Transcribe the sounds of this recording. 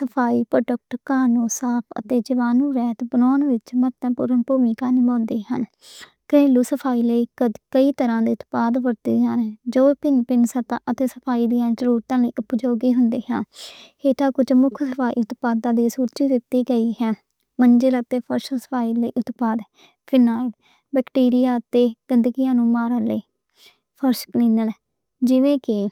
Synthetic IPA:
səpʰaːiːpɾoɖək̚ʈkaːnõːsaːpʰə̰t̪eːd͡ʒəʋaːnũːɾɛːt̪bənɔːnʋɪt͡ʃmət̪ɛ̃ːpʊɾənpuːmiːkãːnɪmãːnd̪eːɦən | kɾeːluːsəpʰaːiːləiːkəd̪kəiːt̪əɾãːd̪iːʊt̪paːd̪ʋəɾt̪ḭːd͡ʒaːneːd͡ʒoːpɪnpɪnsət̪ã̰ːʔət̪eːsəpʰaːiːd̪ijãːt͡ʃəɾuːɾt̪ãːləiːʔʊpd͡ʒoːɡiːɦʊnd̪eːɦã̰ː | eːt̪ãːkʊd͡ʒmʊkʰsəpʰaːḭːʊt̪paːd̪ãːd̪iːsuːɾt͡ʃiːd̪ɪt̪iːɡəiːɦɛː | mənd͡ʒelət̪eːpʰəɾʃsə̥pʰaːiːləiːʔʊt̪paːd̪ | pʰɪnaːɽ | bɛːkʈiːɾɪjaːt̪eːɡ̥ɪnd̪əɡɪjãːnũːmaːɾələː | pʰəɾʃkliːnəl | d͡ʒɪʋẽːkɪ

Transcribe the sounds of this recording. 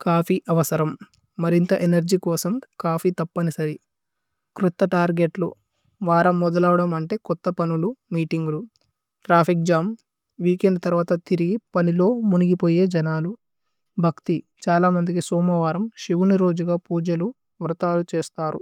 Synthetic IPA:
kaːpʰiʔɐʋɐsɐɾɐmː | ɐɾint̪ɐʔenɐɾd͡ʒiːkɔːsɐmkaːpʰit̪ɐpːɐnisɐɾi | kɾut̪ːɐʈaːɾɡe̞ʈlṵ | ʋaːɾɐmːɔd̪ɐlaːʋɐɽɐmɐɳʈe̞ːkɔt̪ːɐpɐnulumiːʈiŋɡulu | ʈɾaːpʰik̚d͡ʒaːm | ʋiːkeɳɖ̚t̪ɐɾʋaːt̪ɐt̪iɾiɡipɐnilo̞ːmuniɡipo̞ːje̞ːd͡ʒɐnaːlu | bʱɐkt̪it͡ʃaːlaːmɐnd̪ik̬isɔːmɐʋaːɾɐmʃiʋuniɾo̞ːd͡ʒuɡaːpuːd͡ʒɐlu | ʋɾɐt̪aːlut͡ʃe̞ːst̪aːɾṵ

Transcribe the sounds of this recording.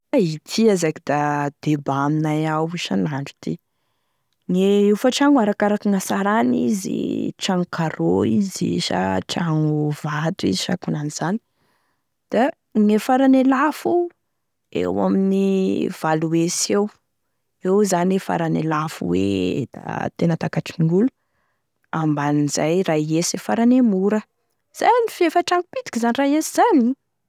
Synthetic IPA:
ait̪ʰiazakid̪ad̪̥ebaminajawuʃanaɳɖ͡ʐu̥t̪ʰi | ŋeefaʈ͡ʂaŋuaɾakaɾakiŋasaɾanḭzḭʈ͡ʂaŋukaɾoizḭʃa̰ʈ͡ʂaŋuv̥at̪uḭziʃa̰kunaniz̥ani̥ | d̪̥a | ŋefaɾanelafu | ḛwa̰miniv̥aluesew | ewzanefa̰ɾanelafṵwḛd̪̥a̰t̪enət̪akaʈ͡ʂiŋɡulu̥ | ambanizajraesefaɾanemuɾə | z̥a̰janifefəʈ͡ʂaŋupid̪i̥kizanirajeziz̥ani

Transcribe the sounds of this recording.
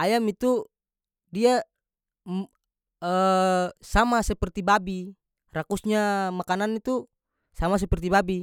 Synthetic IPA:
ajamit̪u | dia | ə | samasɛpɛrt̪ibabi | rakusɲamakananit̪u | samas̬ɛpɛrt̪ibabi

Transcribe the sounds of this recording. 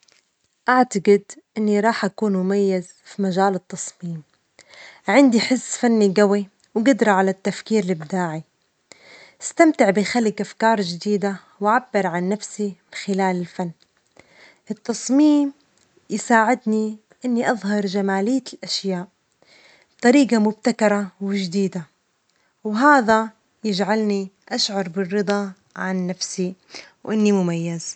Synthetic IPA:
ʔaʕt̪aɡɪd̪ʔɪnːiɾˤɑːħʔakuːnmʊmajːaz | fimaʒaːlɪt̪ːɑsˤmiːm | ʕɪnd̪iħɪzːfanːiɡawi | wɡʊd̪ɾˤɑʕalat̪ːafkiːɾɪlɪbd̪aːʕi | ʔɪst̪amt̪ɪʕbɪxalːɪkʔafkɑːɾˤd͡ʒɪd̪iːd̪a | waʕabːɪɾˤʕanːafsimɪnxɪlaːlɪlfanː | ʔɪt̪ːɑsˤmiːm | jsaːʕɪd̪ni | ʔɪnːiʔɑðˤɦɑɾˤd͡ʒamaːlɪjːalʔaʃjaːʔ | t̪ˤɑɾiːɡamʊb̚t̪akɑɾˤɑwɪʒd̪iːd̪a | wɦaːða | jɪd͡ʒʕalniʔaʃʕɑɾˤbɪrːɨd̪ˤɑ | ʕanːafsiwʔɪnːimʊmajːaz̥

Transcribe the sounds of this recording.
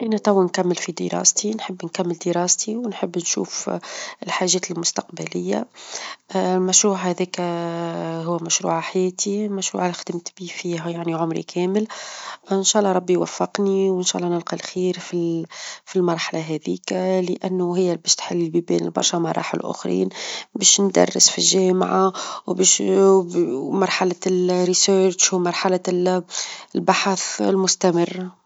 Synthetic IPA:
ʔænæt̪ˤɑwːankæmːɪlfid̪ə̰ɾˤɑ̰ːst̪inħəbːnkæmːɪld̪əɾˤɑːst̪ʰiwnħəbːnʃṵːfɪlħaːʒɛːt̪ɪlmʊst̪aqbælɪjːa̰ | lmæʃɾuːʕhæðɛːkæ | ɦʊwːmæʃɾṵːʕaħajɛːt̪imæʃɾṵːʕalxd̪əmt̪bifiːɦæjaʕniʕʊmɾḭkʰɛːməlɪnʃæːʔlːˤɑɾˤɑbːijwæ̰fːɪqniwɪnʃæːʔlːɑnɪlqɑlxiːɾfifilmɑɾˤħalʔaɦɛðḭːklɪʔænːʊɦɪjːæbɛːʃt̪ħalːlbibɛːnɪ̰lbɑ̰ɾˤʃɑmɑ̰ɾˤɑ̰ːħɪ̰lʔʊ̰xɾḭːnbɛːʃnd̪ɑ̰rˤːə̰sfilʒæːmʕawbɛːʃ | mɑɾˤħalaɾisøt͡ʃmɑɾˤħala | lbaħaθlmʊst̪æmɪrː

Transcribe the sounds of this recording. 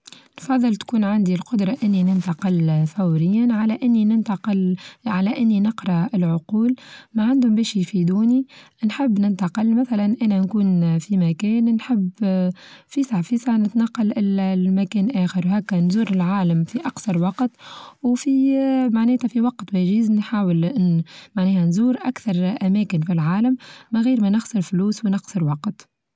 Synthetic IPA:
nfɑðˤːɨlt̪kuːnʕand̪ilqʊd̪ɾˤɑʔɪnːinɪnt̪ɑqɪlθawɾɪjːanʕalæʔɪnːinɪnt̪ɑqɪlʕalæʔɪnːinɪqɾˤɑɪlʕʊquːlmaʕand̪hʊmbɛːʃifid̪uːni | nħɪbːnɪnt̪ɑqɪlmæθælænʔæːnɛnkuːnfimækɛːnnħɪb | fisaʕfiːsaʕnɪt̪nɑqːɑlʔɪlmækɛːnʔæːxəɾwɦɛːkːænzuːɾɪlʕaːlamfiʔɑqsɑɾˤwɑqt̪wfimaʕnɛːt̪ʰæfiwɑqt̪wæːʒɪznħaːwəlnmaʕnɛːhænzuːɾʔækθɑɾˤʔæmɛːkɪnfilʕaːləmːɪɣiːɾmænɪxsɪɾfluːswnɪɣsəɾwɑqt̪

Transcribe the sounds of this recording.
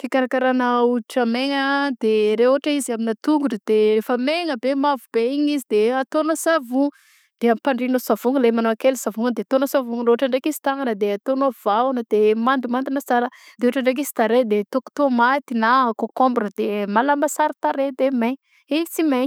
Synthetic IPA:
kikaɾakaɾanəuiʈ͡ʂəmeŋəd̪̥eɾeoɦʈ͡ʂəiziaminat̪uŋɡuɖ͡ʐəd̪̥erefəmeŋəbemavubeiɲizid̪eat̪onəsavu | d̪̥eamipaɳɖ͡ʐinosavuŋəlemanoakelsavuŋəd̪eat̪onasavuŋɾeoʈ͡ʂaɳɖ͡ʐekizi̥t̪aŋɡanəd̪eat̪onov̥aunəd̪̥emand̪umand̪unəsaləd̪̥eooʈ͡ʂaɳɖ͡ʐek̬izi̥t̪aɾed̪et̪oku̥t̪omat̪inakokombɾəd̪̥emalamasaɾit̪aɾed̪emeɲ | ivit͡simeɲ

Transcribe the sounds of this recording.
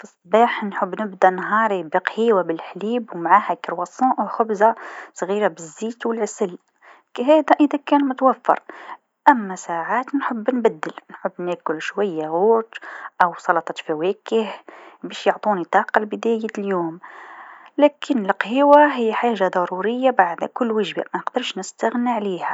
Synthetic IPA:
fisˤːbɑħnħʊbːnəbd̪æʔnɦɑɾˤibəqhiːwabəlħliːbwmʕahækəɾwɑsˤɑ̃ʔwxʊbzasˤɣiːɾabəzːiːt̪wəlʕsəl | kæɦæd̪æʔəd̪ækæːnmʊt̪wæfːɑ̰ɾˤ | ʔæmːæsaʕaːt̪nħəbːnbæd̪ːəlnħʊbːnækʊlʃwæjːaɣuːt̪ʔæwsˤɑlɑt̪ˤɑt̪fæwækəhbæʃjoʕt̪ˤunit̪ˤɑqɑlbəd̪æjæljum | lækʰənəlqhəwaɦəjːħaʒad̪ˤɑɾuɾəjːabaʕd̪kʊlːwəʒba̰mænəqd̪əɾˤʃnəst̪æɣniʕlihæ

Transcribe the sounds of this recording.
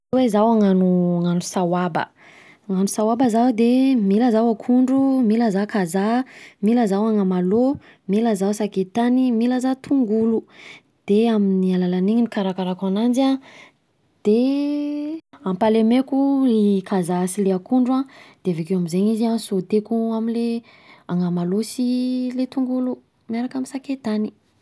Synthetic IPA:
wezawaŋanuaŋanusawabə̰ | aŋanusawabəzawd̪emilazawakʰuɳɖ͡ʐumilazakazamilazawaŋamalo | milazawsaket̪animilazat̪ʰuŋɡulu | d̪̥eaminialalaniɲinikaɾakaɾakanand͡ʒa | d̪̥e | ampalemekuikʰazasileakuɳɖ͡ʐuad̪̥eavekewamizeɲiziasot̪ekuamile | aŋamalosilet̪uŋɡulu | miaɾakaminsaket̪ani

